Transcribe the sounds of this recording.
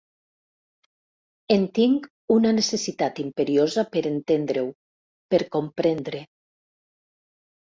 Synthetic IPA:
ent̪iŋk | unanesesit̪at̪impeɾiozapeɾent̪end̪ɾew | peɾkompɾend̪ɾe

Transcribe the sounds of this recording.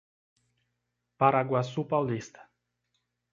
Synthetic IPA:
paɾaɡwasupawlist̪ɐ̥

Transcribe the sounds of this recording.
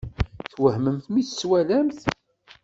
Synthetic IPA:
θwəhməmθmiθswælæmθ

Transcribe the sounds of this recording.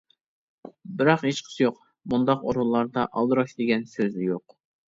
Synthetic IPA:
bɪɾɑqhet͡ʃqʰə̥sɨjoq | mund̪ɑqoɾulˠːɑɾd̪ɑʔɑlˠd̪ɨɾɑʃd̪ɪɡʲɛnsøznɪjoq

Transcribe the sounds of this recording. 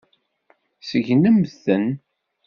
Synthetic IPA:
səʝnəmθən

